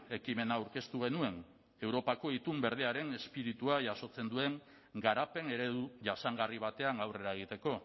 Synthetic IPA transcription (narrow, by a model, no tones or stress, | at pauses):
e̞kime̞naːwɾke̞st̪uɣ̞e̞nue̞n | e̞wɾo̞pako̞it̪umbe̞ɾð̞eaɾe̞ne̞spiɾit̪uaʝaso̞t͡se̞nd̪ue̞ŋ | ɡaɾape̞ne̞ɾe̞ðuʝasaŋɡariβ̞at̪e̞aŋawre̞ɾaeɣ̞it̪e̞ko̞